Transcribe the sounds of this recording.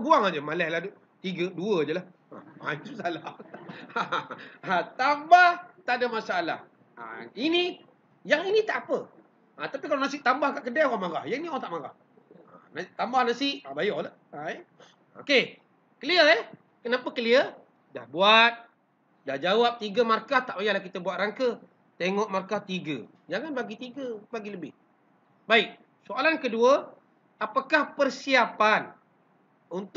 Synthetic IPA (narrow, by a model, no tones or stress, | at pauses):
buaŋad͡ʒəmalɛhladu | t̪iɡəduəd͡ʒəlah | a̰a̰susala | aat̪ambaht̪aʔdamasaːla̰h | a̰ini | jaŋinit̪aʔapə | at̪apikalanasɪʔ̚t̪ambahkaʔkədaoɣamaɡa̰hjainioɣaŋt̪aʔmaɡa̰h | anat̪ambahnasɪʔabajɔʔlaʔa | o̰ke | kəliəəh | kənapəkəliə | dahbuat̪̚ | dahd͡ʒawap̚t̪iɡəmarkaht̪aʔbajahlahkit̪əbuat̪̚rʔaŋkə | t̪eŋɔʔmarkaht̪iɡə̰ | d͡ʒaŋanbaɡit̪iɡəbaɡiləbɪ̰h | baɪk̚ | soalankəduə | apakahpərsiapan | unt̪